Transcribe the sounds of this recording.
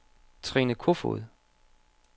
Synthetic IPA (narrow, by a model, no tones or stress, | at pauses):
t͡sʰʁinəkʰofo̰ð̩ˠ